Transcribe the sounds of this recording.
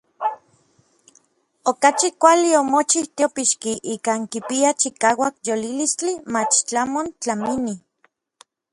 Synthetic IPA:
okat͡ʃikʷaliomot͡ʃiht̪jopiʃkiʔiːkaːŋkipiat͡ʃikaːwakjolilist͡ɬimat͡ʃt͡ɬamont͡ɬamini

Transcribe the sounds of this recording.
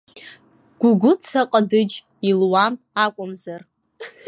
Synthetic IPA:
ɡ̥ʷʊɡʷʊt͡sʰaqʼadɨd͡ʒ | ilwam | akʷʼʊmzar

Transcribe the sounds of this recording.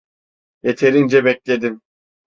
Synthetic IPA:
je̞t̪ʰe̞ɾind͡ʒɛbɛclʲe̞d̪im

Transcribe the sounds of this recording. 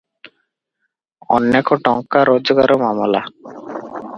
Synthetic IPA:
ɔ̰nːekoʈɔŋkaɾod͡ʑoɡaɾomamola

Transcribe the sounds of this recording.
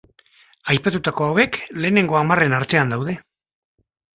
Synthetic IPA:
ajpat̪ut̪ako̞awe̞kle̞ːne̞ŋɡo̞amare̞naɾt͡se̞and̪awð̞e̞

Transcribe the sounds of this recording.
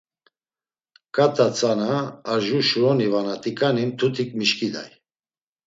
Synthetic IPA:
kʼat̪ʼat͡sʼanaːʒuʃuɾɔnivanat̪ʼikʼanint̪ʰut̪ʰikʼmiʃkʼid̪a̰j

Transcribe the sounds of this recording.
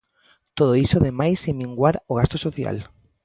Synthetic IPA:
t̪oð̞oisoðemajsemĩŋɡwaɾoɣ̞ast̪osoθja̰l

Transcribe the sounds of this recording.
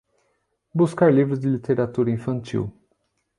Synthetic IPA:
buskaɾlivɾʊzd͡ʒɪlit̪eɾat̪uɾɐĩfɐ̃nt͡ʃḭw

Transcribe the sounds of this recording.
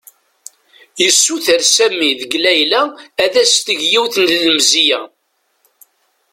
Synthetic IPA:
jəsːuθəɾsæmːiðəɡlæjlæːðæst̪əʝjiwθnləmzijæ

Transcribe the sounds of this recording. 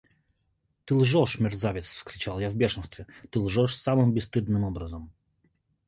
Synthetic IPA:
t̪ɨlˠʐɔʂmʲɪrzavʲɪt̪sfskɾʲɪt͡ɕalˠjavbʲeʂɨnst̪vʲɪt̪ɨlˠʐɔʂsamɨmbʲɪst̪ɨd̪nɨmɔbɾəzəm

